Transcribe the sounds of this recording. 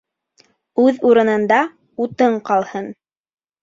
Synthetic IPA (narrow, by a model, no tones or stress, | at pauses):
ʉðuɾɤ̆nɤ̆nd̪ɑ | ut̪ɤɴqɑlˠhɤn